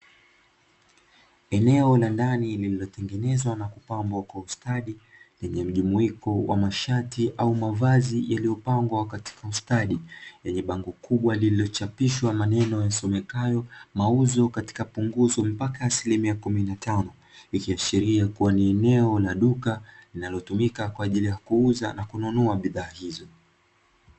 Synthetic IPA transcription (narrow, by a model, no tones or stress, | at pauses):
ɛnɛɔlandanilililɔtɛŋɡɛnɛzwanakupambwakwaustaɗilɛɲɛm̩ʄumuikɔwa̰maʃatiʔaumavazijalijɔpaŋɡwakati̥kaustaɗijɛɲɛɓaŋɡɔkuɓwalililɔt͡ʃapiʃwamanɛnɔjasɔmɛkajɔmauzɔkati̥kapuŋɡuzɔm̩pakaːsilimiakuminnatanɔ | ikiaʃiɾiakuwaniɛnɛɔlaɗukalinalɔtumikakwaːʄilijakuuzanakununɔaɓiðaːhizɔ